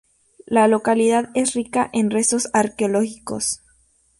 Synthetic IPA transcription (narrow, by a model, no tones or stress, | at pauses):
lalo̞kaliðaðe̞srikaʔenre̞so̞saɾkeolo̞xiko̞̰s